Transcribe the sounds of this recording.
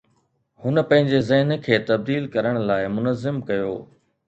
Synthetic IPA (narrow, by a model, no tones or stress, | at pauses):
hʊnə̆pɐ̃ɦɪ̃ɲd͡ʑezɐɦɪnkʰeːt̪ɐb̚d̪iːlkɐɾəɽ̃laːɪmʊnəzːɪmkɐjo̰ː